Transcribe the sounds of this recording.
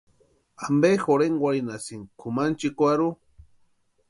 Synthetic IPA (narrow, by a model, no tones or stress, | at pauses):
ambexoɾeŋɡwʷaɾinasiŋkʰumant͡ʃikʷaɾu